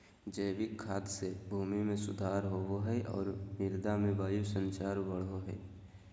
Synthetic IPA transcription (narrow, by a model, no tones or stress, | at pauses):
d͡ʒəjʋɪkʰːaːt̪sebʱuːmimẽsʊd̪ʱaːɾɦoɦoɦɛʔɔ̰ːɾmɪɾd̪amẽbaːjusə̃nt͡ʃaːɾbəɽ̤ɦoɦɛ̰ː